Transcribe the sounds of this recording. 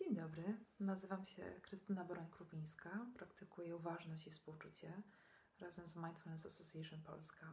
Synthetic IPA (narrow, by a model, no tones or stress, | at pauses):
d͡ʑeɲd̪ɔbɾɘnazɘvamɕɛ̰kɾɘst̪ɘnabɔɾɔɲkɾupʲij̃skapɾakt̪ɘkujɛuvaʐnɔɕt͡ɕifspuwt͡ʂut͡ɕɛ | ɾazɛmzmajnt̪fulɛnsasɔsʲjɛʂɔnpɔ̰lska